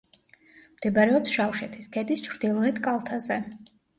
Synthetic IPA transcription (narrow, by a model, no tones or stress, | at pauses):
md̪̥ɛbaɾɛɔpsʃafʃɛt̪ʰisk̪ʰɛd̪ist͡ʃʰɾd̪ilˠʁit̪kʼalˠt̪ʰazɛ